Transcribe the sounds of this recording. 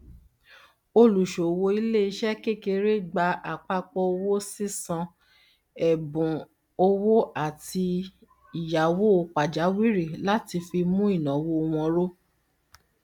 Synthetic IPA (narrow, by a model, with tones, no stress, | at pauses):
o˧lu˨ʃo˨wo˧i˦le˦i˧˦ʃɛ˦ke˦˨ke˧ɾe˦ɡ͡ba˧a˨k͡pa˧k͡pɔ˧o˧wo˦si˦sã˧ | ɛ˨bũ˨ | o˧wo˦a˦˨ti˧ | i˨ja˨wo˦o˧k͡pa˨d͡ʒa˨˦wi˦ɾi˦˨la˦ti˧fi˧mũ˦i˦˨nã˨wo˦o˧w̃ɔ̃˧ɾo˦